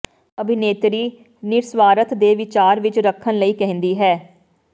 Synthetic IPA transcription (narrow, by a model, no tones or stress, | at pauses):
əbʱɪneːt̪ɾiː | nɪɾsʋaːɾət̪d̪eːʋɪt͡ʃaːɾʋɪt͡ʃɾəkʰːənləiːkɛɦə̃nd̪iːɦɛː